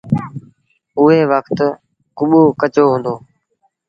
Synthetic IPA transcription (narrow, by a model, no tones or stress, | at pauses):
ʊɦeːʋəkʰt̪ | kʊɓoːkət͡ʃoːɦʊ̃ːnd̪oː